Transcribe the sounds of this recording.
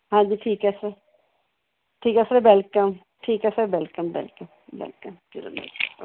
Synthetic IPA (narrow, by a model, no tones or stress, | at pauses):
ɦãːd͡ʒiːʈʰiːkɛse | ʈʰiːkɛsebɛlkəm | ʈʰiːkɛsebɛlkəmbɛ̰lkəm | bɛ̰lkəm | iɾnḛ